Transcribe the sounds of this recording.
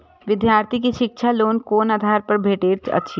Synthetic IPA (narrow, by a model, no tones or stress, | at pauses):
ʋɪd̪jaːɾt̪ʰik̬iʃɪkʃʰaloːnkoːnaːd̪ʱaːɾpɐɾbʱeːʈeːɾt͡ʃɐ̰tːʃʰi